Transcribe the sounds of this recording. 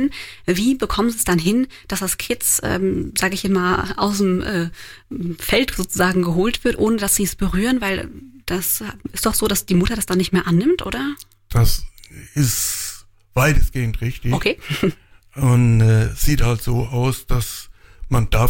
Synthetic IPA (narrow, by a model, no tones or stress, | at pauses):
nviːbəkʰɔmənziːsd̥anɦɪn | d̥asd̥askʰɪt͡sʔɛ̰ːmzaːɡəɪçɛt͡smaːlʔa̰ʊs̬dəmʔɛː | fɛltz̥oːt͡suzaːɡŋ̩ɡəɦoːltv̥ɪɐtʔoːnəd̥asz̥iːɛsb̥əʁyːʁənvaɪld̥asɪstd̥ɔχz̥oːdasd̥iːmʊtɐɾasd̥anːɪçtmeːɐʔanːɪmtʔo̰ːdɐ | d̥asɪst | v̥aɪtəsɡ̥eːəntʁ̥ɪçtɪçokʰeː | ʊnɛsz̥iːthaltz̥oːʔaʊsd̥asmand̥a